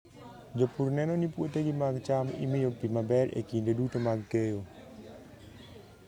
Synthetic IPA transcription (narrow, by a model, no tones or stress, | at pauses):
d͡ʒopurnɛnonipwoteɡimaɡt͡ʃamḭmɪjopimabɛɾḛkindodutomaɡkejo